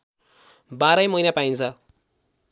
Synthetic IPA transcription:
baɾʌjmʌijnapaint͡sʰʌ

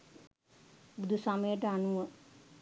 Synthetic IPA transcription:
bud̪ʱusaməjəʈəanuʋə

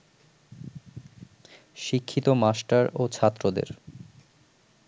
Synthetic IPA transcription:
ʃikʰːit̪omasʈaɾot͡ɕʰat̪ːɾod̪ḛɾ

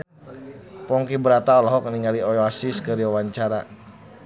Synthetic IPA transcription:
pɔŋkibəɾat̪aɔlɔɦɔk̚niŋɡaliɔjɔasiskəɾiwawaɲt͡ʃaɾa

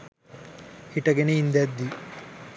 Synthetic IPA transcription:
hiʈɐɡeneind̪ed̪ːi

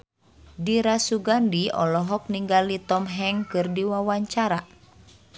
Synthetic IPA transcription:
diɾasuɡandiɔ̰lɔɦɔk̚niŋɡalit̪ɔmɦɛŋkɨrdiwawaɲt͡ʃaɾa

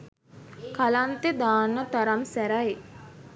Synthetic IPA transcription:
kalant̪ed̪aːnət̪aɾamsæɾae

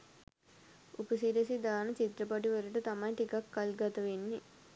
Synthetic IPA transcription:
upəsiɾesid̪aːnət͡ʃit̪ɾɐpɐʈiʋɐɾuʈət̪ɐmɐjʈikakːalɡɐt̪ɐʋenːi

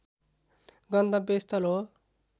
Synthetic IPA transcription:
ɡʌnd̪abest̪ʌlɦo

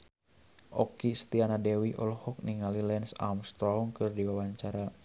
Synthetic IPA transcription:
ʔɔkist̪ianadɛwiʔɔlɔhɔk̚niŋalilɛnsa̰mst̪ɾɔɔŋkɨrdiwawaɲt͡ʃaɾa

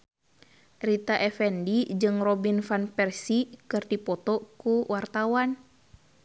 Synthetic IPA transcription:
rit̪aʔɛfɛndid͡ʒɨŋrɔbinfanpɛrsikɨrdipɔt̪ɔkuwart̪awan

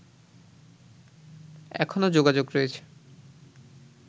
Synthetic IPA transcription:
ɛ̰kʰonod͡ʑoɡad͡ʑoɡɾoet͡ɕʰe̥

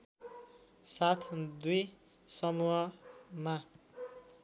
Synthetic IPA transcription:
sat̪ʰd̪uj | sʌmuɦʌma

